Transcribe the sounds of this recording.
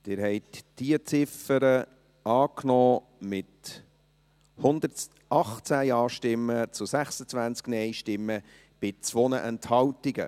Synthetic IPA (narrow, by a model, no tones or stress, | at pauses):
t̪ɪːɾɦɛɪt̪d̥iət͡sɪfəɾə | ɑːknɔː | mɪt̪ | hʊnd̪ə | ɑχt͡sæjɑːʃtɪmːət͡sʊsæχsət͡svænt͡sknɛɪjʃtɪmːə | b̥ɪt͡sʋonəʔɛnthɑwt̪iɡə̰